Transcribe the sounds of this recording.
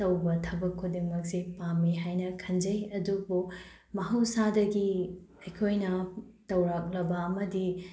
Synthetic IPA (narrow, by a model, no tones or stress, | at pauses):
tɐwbɐtʰɐbɐkʰːudimɐk̚sipamiɦajnɐkʰɐnd͡ʒɐjɐdubu | mɐɦɐwsadɐɡi | ɐjkʰojnɐtɐwɾak̚lɐbɐːmɐdi